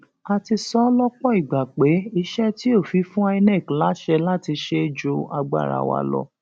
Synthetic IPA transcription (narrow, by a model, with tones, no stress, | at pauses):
a˧ti˧sɔ˦lɔ˦k͡pɔ˦i˦˨ɡ͡ba˨k͡pe˨˦i˦ʃɛ˦ti˦o˦˨fi˨˧˦fũ˦a˦˧i˧nɛ̃˦˨kla˦ʃɛ˧la˦ti˧ʃe˦d͡ʒo˨˦a˧ɡ͡ba̰˦˨ɾa̰˨˧˨wa̰˧lɔ̰˧